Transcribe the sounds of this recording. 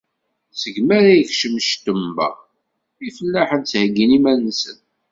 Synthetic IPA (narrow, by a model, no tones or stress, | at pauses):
səɡmæɾæjəçʃəmʃt̪əmːæ̰ | ifəlːæħənt͡shəɡːinimænsən